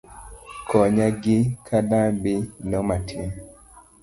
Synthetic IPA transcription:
kʰɔɲaɡɪkʰadabinɔmatʰin

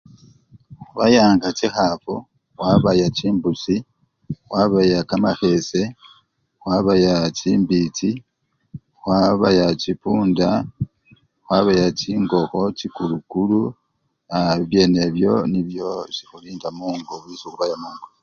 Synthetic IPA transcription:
xuβajaːŋɡacixafo | waβajaciːmbusi | xwaβajakamaxe̞se̞ | xwaβajat͡ʃiːmbit͡si | xwaβajacipuːnda | xwaβajaciːŋɡo̞xo̞cikulukulu | aβje̞ne̞βjo̞niβjo̞zixuliːndamuːŋɡoβisoxuβajamuːŋɡo

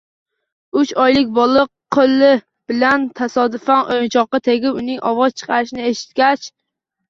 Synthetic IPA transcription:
ʊt͡ʃɒjlɪk̚ʲbɒlˠɨqʰːolˠːɪ | b̥ɪlant̪ʰasɒd̪ʊfanʔojnt͡ʃʰɒqːɑt̪ʰe̞ɡʲɪpʊnɪŋʔɒvɒz̥t͡ʃʰɨ̥qʰɑɾɪʃɪnɪeʃɪ̥t̪̚kʲat͡ʃ

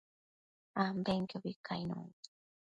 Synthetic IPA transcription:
ambeŋkobikʰa̰jno̰

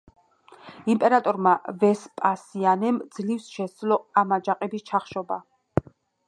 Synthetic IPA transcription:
impʼɛɾat̪ʼɔɾmavɛspʼasianɛmd̪zlifsʃɛd̪lɔamad͡ʒaqʼɛbist͡ʃʰaχʃɔba

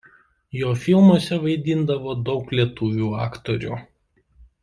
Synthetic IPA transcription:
joːfʲɪlˠmuɔsʲɛʋɐɪd̪ʲɪnd̪ɐʋoːd̪ɒʊklʲiɛt̪uːʋʲuːɑːkt̪oɾʲṵːˑ

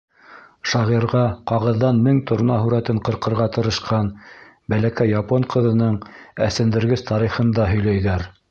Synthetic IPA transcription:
ʃɑʁiɾʁɑqɑʁɤ̆ðːɑnmɘŋt̪ʰŏɾnɑɦʉɾæt̪ɘɴqɤ̆ɾqɤ̆ɾʁɑt̪ɤ̆ɾɤ̆ʃqɑn | bælækæjːɑpoɴqɤ̆ðɤ̆nɤɴæsɘ̆nd̪ɘ̆ɾɡɘst̪ɑɾiχɤ̆nd̪ɑɦɵ̆jlæjðæɾ

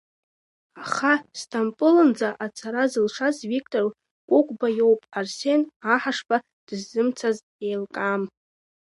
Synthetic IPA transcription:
aχastʰampʼɨlɨnd͡zaʔat͡sʰaɾazɨlʂazvikʰʼtʼor | kʷʼʊkʷʼbajo̞wpʼarse̞naħaʂpʰa | d̥ɨzːɨmt͡sʰaz | ejlkʼam

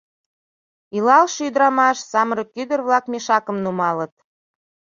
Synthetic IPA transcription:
ilɑlʃyd̪ɾɑmɑʃsɑməɾɤ̆kyd̪ərβlɑkmʲeʃɑkə̆mnumɑlə̆t̪̚

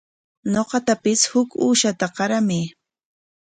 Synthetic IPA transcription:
noqɑt̪apɪshʊkuːʃat̪aqɑɾamɪ

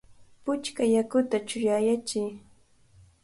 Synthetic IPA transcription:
pʊt͡ʃkajakʊt̪at͡ʃʊjajat͡ʃɪj

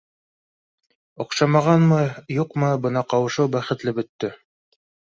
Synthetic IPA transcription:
ŏqʃɑmɑʁɑnmɤjuqmɤbɤnɑqɑwɤ̆ʃɤwbæχɘ̆t̪lɘbɵ̆t̪ːɵ

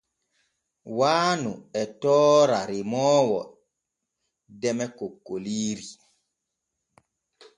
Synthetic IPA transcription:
waːnuɛtɔːɾaɾimɔːwɔ | dɛmɛkokːoliːɾi

